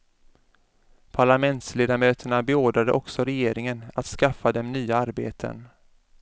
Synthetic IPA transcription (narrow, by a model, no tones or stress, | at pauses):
pʰaɭamɛnt̪sleːd̪amøːt̪ʰəɳabɛoːɖɾad̪əʔɔksɔɾɛjeːɾɪŋənat̪skafːad̪ɛmnyːaaɾbḛːt̪ʰə̰n